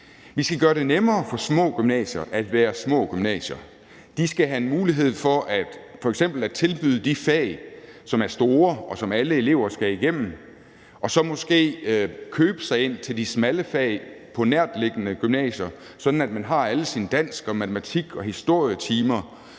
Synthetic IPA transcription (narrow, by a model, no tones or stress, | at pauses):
ʋisɡ̥æɡ̥ɶːɐɾe̝nemɐːfɒ̽smɔ̰̽ːɡ̥ymnɛ̰ɕɐʔæd̥ʋæːɐsmɔ̰̽ːɡ̥ymnɛ̰ːɕɐ | d̥isɡ̥æɦæe̝nmuːliɦe̝ð̞̰ˠfɒ̽ʔæd̥fɒ̽eɡ̥sem̰b̥l̩æ̥t͡sʰe̝lb̥yðˠəd̥ifɛ̰ɪsɒ̽mæɐsd̥o̝ːɐɒ̽sɒ̽mæləe̝le̝ʊɐsɡ̥æiɡ̥em̰mn̩ | ʔɒ̽sɒ̽mɔ̽sɡ̥e̝̰ːkʰøːb̥ə̥sɑ̈ɪe̝n̰t͡sʰe̝ld̥ismæləfɛ̰ɪpʰɒ̽næɐ̰d̥le̝ɡ̥ənəɡ̥ymnɛ̰ːɕɐ | sɒ̽d̥n̩æd̥mænɦɑ̈æləsinəd̥æn̰sɡ̥ɒ̽mæt͡sʰəmæt͡sʰiɡ̥ɒ̽hisd̥o̝ɐ̰jət͡sʰiːmɐ